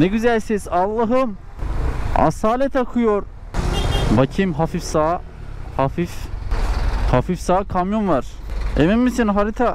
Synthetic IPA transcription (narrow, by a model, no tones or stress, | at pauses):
neɡyzælʲsizɑlˠːɑɦɯm | a̰saːlet̪ʰakʰujoɾ | bacʰimɦafifsa | hafif | hafifsaːkʰamjonvaɾemimːisinɦaɾit̪ʰa